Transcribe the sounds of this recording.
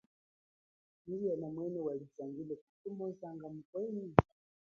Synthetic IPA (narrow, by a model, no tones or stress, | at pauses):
niijanamwɛnɛwalid͡zaŋɡilɛku̥tumɔzaŋɡam̩kwɛni